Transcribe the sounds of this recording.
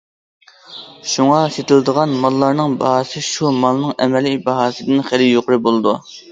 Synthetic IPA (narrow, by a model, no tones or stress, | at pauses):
ʃuŋɑset̪ʰɪld̪əʁɑnmɑlˠːɑɾnɨŋbɑ̰ɦɑsɨʃumɑlˠnɨŋɛmɛlibɑɦɑːsɨd̪ɨnχæɾɪjoqʊɾɨbolˠɨd̪u